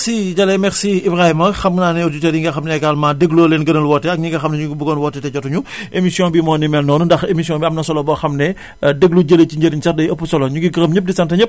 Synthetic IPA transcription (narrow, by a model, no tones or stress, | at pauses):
siɟɐlɛmɛxsiibɾahimɐxɐmnaːnɛoditeːɾiŋɡɐxɐmnɛɛɡalmaːdeɡloːleːnɡɐnɐlwɔtːɛɐk̚ɲiɡɐxɐmnɛɲuɡibuɡɔnwɔtːɛtɛɟɔtuɲuʔemisijɔ̃bimɔːnimɛlnɔːnundɐxemisjɔ̃biɐmnɐsɔlɔbɔxɐmnɛ | dəɡluɟələciɲɟəɾiɲsɐtdɐjəpːusɔlɔɲuɡiɡɐɾəmɲəp̚disɐntɐɲəp̚